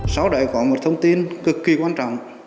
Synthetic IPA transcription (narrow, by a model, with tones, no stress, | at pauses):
sa˨˦wɗə̰˧˨jkɔ˨˦mo˨˩t̚t̪ʰə˧wŋ͡mt̪i˧ənkɨ˨˦˩kːi˧kwaː˧nt͡ɕɔ̰˧˨wŋ͡m